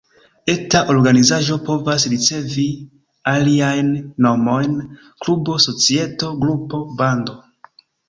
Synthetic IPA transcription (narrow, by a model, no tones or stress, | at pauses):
etaʔo̞ɾɡanizaʒo̞po̞vasɾit͡se̞vi | aliajnːo̞mo̞jn | klubo̞so̞t͡sie̞to̞ɡɾupo̞bando̞